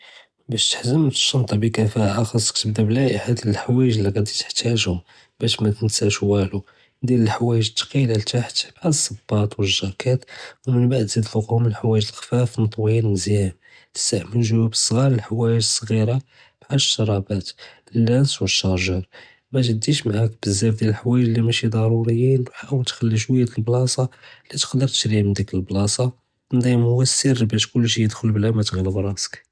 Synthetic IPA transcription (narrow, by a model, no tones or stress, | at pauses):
bæʃt̪ə̥ħzəmt̪ə̥ʃːɑnt̪ˤɑbikæfæhaʔɑxɑsˤːkt̪əb̚d̪æblæʔəħad̪əlħwæjəʒliɣæd̪it̪ə̥ħt̪æʒhʊm | bæʃmæt̪ənsæʃwælu | d̪iləlħwæjəʒət̪ːɑ̥qilalt̪aħt̪bʕasˤːɑbːɑt̪wəʒːækæt̪wmənbaʕd̪zid̪fʊqhʊməlħwæjəʒəlxfæfnət̪ˤwinnzjæm | sːaʕmənʒwæbəsˤːɣɑɾˤəlħawæjəʒəsˤːɣiɾa | b̥ʕaʃːɑɾˤɑbæt̪ | əlːænswəʃːɑɾʒɑɾˤ | mæʒəd̪ːiʃmaʕækbəzːæfd̪jæləlħawæjəʒlimæʃid̪ˤɑɾˤuɾəjːinħaʔwəlt̪xælːiʃ̬wəjːæt̪əlblɑsˤɑlit̪qd̪əɾˤt̪ə̥ʃɾimənd̪ækəlblɑsˤɑ | nd̪ijmhʊwːæsəɾbæʃkʊlːʃ̬ijəd̪xʊlblæmæt̪ɣiləbɾˤɑsə̥k